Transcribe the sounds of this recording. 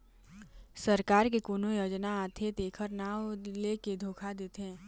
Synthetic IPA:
səɾkaːɾkekuːnojoːd͡ʒnaat̪ʰet̪eːkʰəɾnaːleːked̪ʱoːkʰad̪eːt̪ẽː

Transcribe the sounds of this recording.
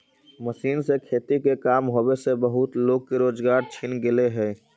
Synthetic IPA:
məsiːnsekʰeːt̪ikekaːmɦoːbesebəɦʊt̪loːɡ̚keɾoːd͡ʒɡaːɾt͡ʃʰinɡɪleɦɛː

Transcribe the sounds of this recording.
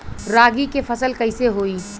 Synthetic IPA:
ɾaːɡikefɐsəlkɐɪseɦoːiː

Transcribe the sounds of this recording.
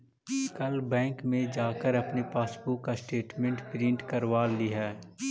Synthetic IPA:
kɐlbɛ̃ːŋkmẽd͡ʒaːkəɾɐpnepaːspuːkːasʈeːʈmɛ̃ɳʈpɾɪ̃ɳʈkɐɾʋaːliɦɛː

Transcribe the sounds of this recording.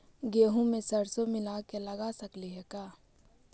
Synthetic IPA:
ɡeːɦũmẽsɐɾsomɪlakelɐɡasɐkliɦɛkaː

